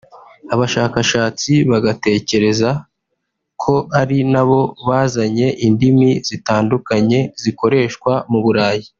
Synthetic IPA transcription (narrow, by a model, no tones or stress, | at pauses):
aβaʃaːkaʃaːt͡siβaɡate̞ːce̞ɾe̞za | kʰo̞aɾinaβo̞βaːzaɲe̞ʔindimiz̥itaːndukaɲe̞ziko̞ɾe̞ːʃkwamuβuɾaːji